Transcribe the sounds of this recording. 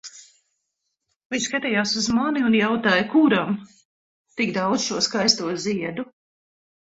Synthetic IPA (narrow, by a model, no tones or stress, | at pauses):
vʲiɲskat̪ʲɛjaːsuzmaniunjawt̪aːjkuɾam | t̪iɡd̪awd̪z̥ʃuɔskajst̪uɔziɛd̪u